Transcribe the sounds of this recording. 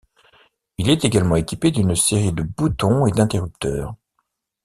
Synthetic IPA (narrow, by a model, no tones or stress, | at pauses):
ilɛt̪eɡalmɑ̃ekʲiped̪ynseʁid̪əbut̪ɔ̃ed̪ɛ̃t̪eʁyp̚t̪œ̰ːʁ